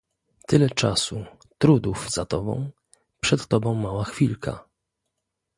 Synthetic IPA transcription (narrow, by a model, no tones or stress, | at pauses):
t̪ɘlɛt͡ʂasu | t̪ɾud̪uvzat̪ɔbɔ̰̃w̃ | pʂɛt̪ːɔbɔ̃w̃mawaxfʲilkʰa̰